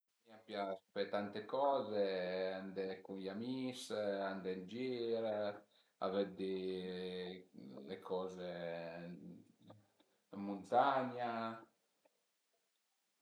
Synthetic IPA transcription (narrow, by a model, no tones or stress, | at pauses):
miapjaspet̪ant̪ekɔːzeand̪ekunjamisand̪end͡ʒiːɾe | a̰vɛd̪i | lekʰɔːze | munt̪aɲa